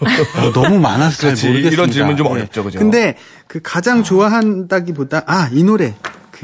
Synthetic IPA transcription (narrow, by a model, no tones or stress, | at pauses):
anʌmumanas̬ʰɯemoɾɯɡeɾʌd͡ʑimɯnt͡ɕomɔjʌpt͡ɕ͈okɯnde̞ | kɯkad͡ʑaŋt͡ɕoaɦandaɡipodaʔainoɾe̞kɯ